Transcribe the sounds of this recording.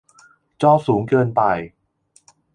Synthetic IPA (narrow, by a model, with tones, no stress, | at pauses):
t͡ɕɔː˥˩suː˩˦ŋkɤː˧npa˧j